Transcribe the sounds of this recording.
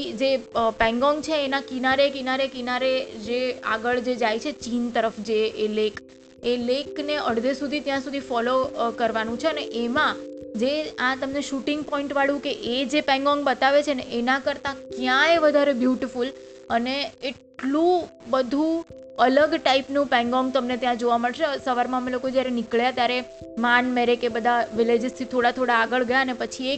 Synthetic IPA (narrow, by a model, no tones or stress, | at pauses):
d͡ʒepɛ̃ŋɡɔŋɡt͡ʃʰeːnakinaɾekinaɾekinaɾed͡ʒea̰ɡəɭd͡ʒed͡ʒajt͡ʃʰet͡ʃint̪əɾəfd͡ʒeelek | elekneʔəɽd̪esud̪ʱit̪jãsud̪ʱifɔlokəɾʋanũt͡ʃʰeəneʔemãd͡ʒeãt̪əmneʃuʈɪŋɡpɔĩɳʈʋaɭjũkeʔed͡ʒepɛ̃ŋɡɔ̃ŋɡbət̪aʋet͡ʃʰeneʔenakəɾt̪ãkjãeʋəd̪ʱaɾebjuʈiful | əneːʈlũ | bəd̪ʱũ | ələɡʈaipnũpɛ̃ŋɡɔŋɡ̚t̪əmnet̪jãd͡ʒoʋaməɭʃesəʋaɾmãəmelokod͡ʒjaɾenɪkɭjat̪jaɾemanmeɾekebəd̪ʱaʋɪled͡ʒɪst̪ʰit̪ʰoɽat̪ʰoɽaːɡəɭɡəjaənepət͡ʃʰie